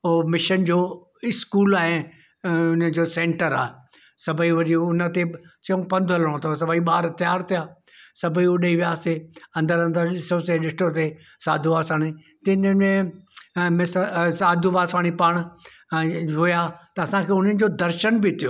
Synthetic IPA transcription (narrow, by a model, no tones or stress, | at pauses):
mɪʃənd͡ʑoː | ɪskuːlaːɦe | ʊnəd͡ʑoːsẽːɳʈəɾa̰ːɦe | sɐbʱəiʋɐɾiʊnət̪esɐũpɐ̃nd̪ʱɦɐləɽ̃õt̪ʰɐsɐbəiɓaːɾt̪jaːɾt̪ʰijaː | sɐbʱəiʊɗɐiʋijaːseɐ̃nd̪əɾɐ̃nd̪əɾɗɪsõseɗɪʈõt̪e | sa̰ːd̪ʱuʋaːsaːɽ̃i | t̪ɪnẽ | mẽssaːd̪ʱuʋaːsaːɽ̃ipaːɽ̃ | ɦʊjaːt̪ɐːsãkʰeːʊn̤ənɪ̆d͡ʑoːd̪ɐɾʃənbit̪ʰijoː